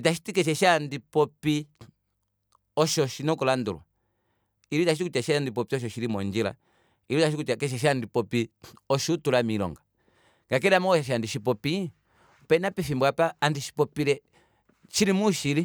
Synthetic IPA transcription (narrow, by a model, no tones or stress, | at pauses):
itaʃi̥tikɛʃ̬ɛʃandipɔpi | ɔʃɔʃinɔkulandṵlwa̰ | iɾitaʃitikut͡ʃaʃndipɔpiɔʃ̬ɔʃiɾimɔnd͡ʒila̰ | iɾitaʃ̬ikut͡ʃakɛʃ̬ɛʃ̬andipɔpiɔʃutulamilɔ̰ŋɡa | ŋɡak̬ɛɾamɔɔʃaʃ̬andiʃipɔpi | pɛnapifimbwapaːndiʃi̥pɔpilɛ | ʃiɾimuʃiɾi